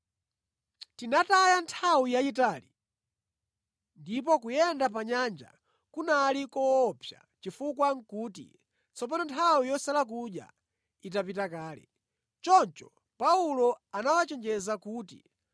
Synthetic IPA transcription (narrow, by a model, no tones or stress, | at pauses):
tinatajantʰawijajitaːli | ndip̬ɔkujɛndapaɲand͡ʒa̰ | kunalikɔːpʰja̰t͡ʃifukwaŋ̩kuːtḭ | t͡sɔpanɔntʰawijɔsalak̬uɗja̰ | itapitakaːlɛ̰ | t͡ʃɔnt͡ʃɔ | paulɔanawat͡ʃɛnd͡ʒɛzakuːtḭ